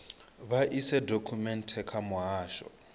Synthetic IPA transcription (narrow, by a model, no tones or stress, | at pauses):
βaʔisɛdokʰumɛntʰɛkʰamʊɦaːʃɔ̰